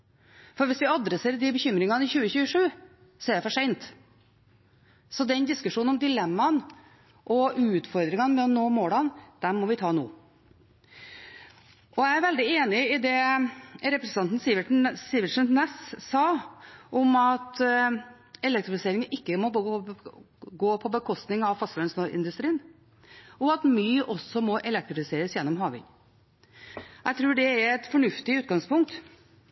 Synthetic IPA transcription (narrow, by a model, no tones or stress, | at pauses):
fɔɾʋɪsʋɪɑd̪ɾəseːɾəd̪ɪbəçʏmɾɪŋɑnɪçʉːəçʉːəʂʉː | sɔɛɖ̪ɛfɔʂæɪnt̪ | sɔd̪ɛnd̪ɪskʉʂuːnɔmd̪ɪlɛmːɑn | ʔɔʔʉːt̪fɔɾd̪ɾɪŋɑnəmɛɔnoːmoːlɑnd̪̥ɛmmɔʋɪt̪ʰɑːno̰ː | ʔɔææɾʋɛld̪ɪeːnɪɪd̪ɛ | ɾɛpɾɛsənɑnt̪n̩sɪʋsɪʋəʂənnɛssɑːʔɔmɑt̪ | ɛlɛk̚t̪ɾɪfɪseːɾɪŋəʔɪkːəmɔb | ɡoːpʰɔbəkʰɔst̪nɪŋɑʋfɑst̪lœnsnɔɾʔɪ̰nd̪ʉst̪ɾiːn | ɔɑt̪myːʔɔsɔmɔʔɛlɛk̚t̪ɾɪfɪseːɾəsjɛnːɔmɦɑːʋɪ̰ŋ | æɪt̪ʰɾʉːɖɛæɾɛt̪fɔɳʉft̪ɪʉːt̪̚ɡɑŋspʰʊŋk̚t̪